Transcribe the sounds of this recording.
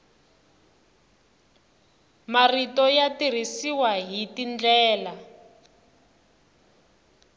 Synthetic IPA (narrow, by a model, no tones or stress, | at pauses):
maritɔjatir̤isiwaɦitind͡ɮɛːla